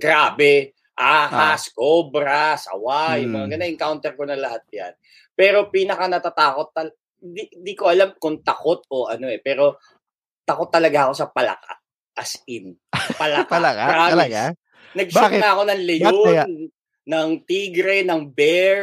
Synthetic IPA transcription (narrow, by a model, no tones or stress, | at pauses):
ɡ̥ɾaːbɛ | ʔaːkaskobɾɐsɐ̰wajʊŋmɐŋɐɡɐnaʔɪŋkawnt̪ɛɾkonɐlɐhat̪̚ja̰n | pɛːɾo̞piːnɐkɐnɐt̪at̪aːko̞t̪ːɐl | ɪnd̪ind̪ikoʔɐlamkoŋt̪ɐko̞t̪̚o̞ʔɐno̞ʔɛpɛːɾo̞ | t̪ɐko̞t̪ːɐlɐɡaʔɐko̞sɐpɐlɐ̰ka̰ | ʔɐsɪnpɐlɐkalaɾaːmɪ | nɐɡ̚sɐʔɐko̞nɐŋlɛjonː | ɐŋt̪iːɡɾɛnɐŋbɛ